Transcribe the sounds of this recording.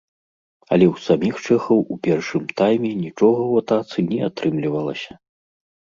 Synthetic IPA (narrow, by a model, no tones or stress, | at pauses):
ɐ̰lʲɛwsamʲixt͡ʂɛxɐwʔupʲɛrʂɨmt̪ajmʲɛnʲit͡ʂɔɣɐwat̪at̪sɨnʲɛat̪ɾɨmlʲivɐlˠɐ̰sʲɐ